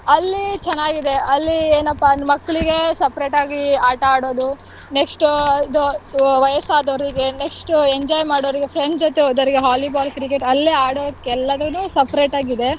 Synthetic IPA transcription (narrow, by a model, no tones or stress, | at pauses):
ɐlːit͡ʃɛnːaːɡid̪e̞ɐlːieːnɐpːamɐkːɐɭiɡe̞sɐpɾeːʈaːɡiaːʈɐaːɽoːd̪u | neksʈuid̪uʋɐjɐsaːd̪ɐʋɾiɡe̞neksʈueɲd͡ʒɔːjmaːɽoɾiɡepʰɾeɳɖd͡ʒɔt̪ːeoːd̪ɐʋɾiɡeɦaːlibaːlkɾik̬eʈɐlːiaːɽokːɛlːɐd̪ɐnuːsɐpɾeːʈaːɡid̪e̞